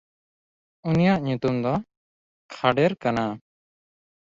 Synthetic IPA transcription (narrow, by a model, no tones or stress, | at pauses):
unijaʔɲut̪umd̪ɔ | kʰaɖɛɾkana